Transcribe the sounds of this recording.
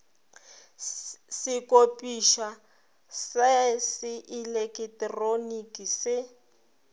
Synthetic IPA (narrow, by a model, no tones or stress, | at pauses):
sɪkʼopʼiʃa | sasɪʔilekʼɪtʼronikʼisɪ